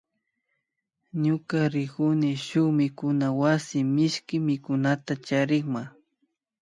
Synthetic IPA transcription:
ɲʊkaɾɪkʊnɪʃʊχmɪkʊnawasɪmɪʃkɪmɪkʊnat̪at͡ʃaɾɪŋma

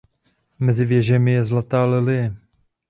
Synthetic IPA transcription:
mɛzɪvjɛʒɛmɪjɛzlat̪aːlɛlɪjɛ

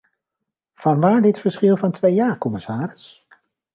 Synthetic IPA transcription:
v̥ɑnʋaːɹdɪtfəɹsχɪlˠvɑntʋejjaːkɔmɪsaːɾɪs

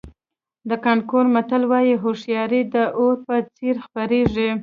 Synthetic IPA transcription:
d̪əkɑɳkoɾmat̪əlwɑjiɦoʂjɑɾid̪əʔoɾpət͡seɾxpaɾeʐi

